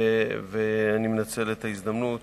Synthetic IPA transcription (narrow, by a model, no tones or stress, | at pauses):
veanimenat͡se̞let̪aizd̪amnut̪